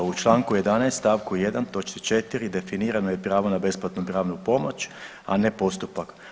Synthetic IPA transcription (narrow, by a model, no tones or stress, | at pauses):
ut͡ʃlˠaːŋkuje̞d̪anajst̪t̪aːʋkujed̪ant̪o̞t͡ʃnit͡ʃet̪iɾid̪e̞finiːɾanoje̞pɾaːʋonabe̞splˠat̪nupɾaːʋnupo̞mo̞t͡ɕ | a̰ne̞po̞st̪upak